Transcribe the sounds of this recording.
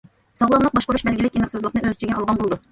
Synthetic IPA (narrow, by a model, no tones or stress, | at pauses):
sɑʁlˠɑmlˠəq̚bɑʃqəɾuʃbɛlɡʲɪlɪkʲinɨqsɨzlˠəqnɨʔøzt͡ʃʰiɡʲɛnɑlˠʁɑnbolˠd̪u